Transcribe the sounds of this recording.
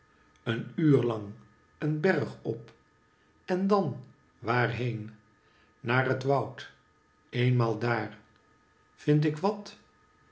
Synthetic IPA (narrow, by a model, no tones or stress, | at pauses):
ənyːɹlɑŋ | ənbɛrχɔp | ɛndɑn | ʋaːrɦejn | naːrətʋɑwt | ejnmaːlˠdaːr | v̥ɪnt̬ɪkʋɑt